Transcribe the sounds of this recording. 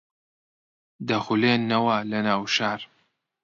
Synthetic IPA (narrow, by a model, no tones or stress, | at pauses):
d̪ɐxuleːnːɐwɐlɐnaːwʃaːɾ